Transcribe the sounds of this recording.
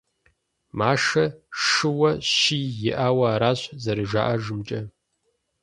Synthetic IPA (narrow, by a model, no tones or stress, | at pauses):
maːʂɐʂɨwɐɕiːjɪʔaːwɐaːɾaːɕzɐɾɨʒa̰ːʔɐʒɨmt͡ʃʼɐ